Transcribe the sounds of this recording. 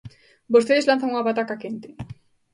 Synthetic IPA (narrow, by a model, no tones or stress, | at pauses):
bost̪eðeslanθaŋuŋaβat̪akakent̪ɪ